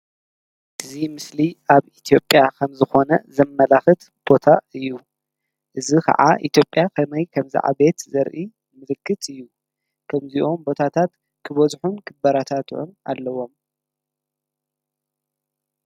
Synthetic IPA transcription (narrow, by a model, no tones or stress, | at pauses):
ʔɨzimɨsliʔaβit̪ʰjo̞pʼːjakʰɐmzɨxo̞nɐ̰zɐmːɐlaxɨt̪ | b̥o̞t̪ʰaɨjːu | ʔɨzikʰa̰ʕa̰ʔit̪jo̞pʼjakʰɐmɐjkʰɐmzḭʕʔa̰βe̞t̪zɐɾʔi | mɨlɨkʰːɨt̪ɨjːu | kʰɐmziʔo̞mbo̞t̪ʰat̪ʰat̪ | kʰɨβɐzħunkʰɨbɐɾat̪ʰat̪ʰʕṵna̰lːɐwo̞m